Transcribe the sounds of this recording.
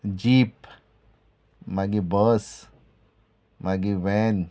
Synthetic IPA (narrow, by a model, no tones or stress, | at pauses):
d͡ʒip | maɡibəs | maɡiwɛn